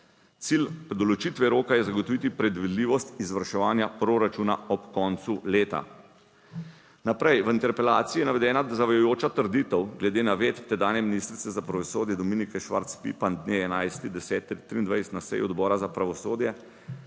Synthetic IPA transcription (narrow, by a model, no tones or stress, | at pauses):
t̪silpɾɛd̪ɔlɔt͡ʃit̪ʋɛɾoːkajɛzaɡɔt̪ɔʋit̪ipɾɛd̪ʋid̪liːʋɔst̪izʋəɾʃɛʋaːnjapɾoɾat͡ʃuna̰ɔpkɔnt̪suleːt̪a̰ | napɾɛjʋəint̪ɛɾpɛlaːt̪siːjɛnaʋɛd̪ɛːnad̪azaʋajɔjoːt͡ʃat̪əɾd̪it̪ɛwɡlɛd̪eːnaʋeːt̪ːɛd̪aːnjɛminiːst̪ɾit̪sɛzapɾaʋɔsoːd̪jɛd̪ɔmiːnikɛʃʋa̰ɾt̪spḭpand̪neːɛnajst̪id̪ɛsɛːt̪ːit̪ːɾiːnd̪ʋajsɛt̪nasɛ̰juɔd̪bɔːɾazapɾaʋɔsoːd̪jɛ